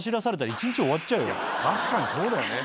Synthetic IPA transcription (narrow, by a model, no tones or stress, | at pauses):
ɕiɾasaɾe̞t̪aɾait͡ɕĩɲt͡ɕio̞atːt͡ɕaɯ̟jo̰t̪ʰaɕi̥kaɲiso̞ːd̪ajone